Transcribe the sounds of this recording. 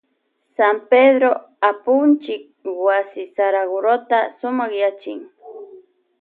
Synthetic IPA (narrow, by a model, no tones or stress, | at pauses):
sampedɾo | apʊnt͡ʃɪk̚wasɪsaɾaɡʊɾot̪asʊmɑχjat͡ʃɪ̰ŋ